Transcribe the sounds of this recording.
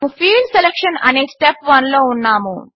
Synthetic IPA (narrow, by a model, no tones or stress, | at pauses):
ufiːlselekʂɐnɐ̰neːsʈepʋɐnloːunːaːmṵ